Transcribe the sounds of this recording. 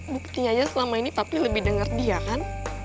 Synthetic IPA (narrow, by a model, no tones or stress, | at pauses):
bukut̪iɲad͡ʒasəlamainit̪apiləbɪhdəŋərdiakan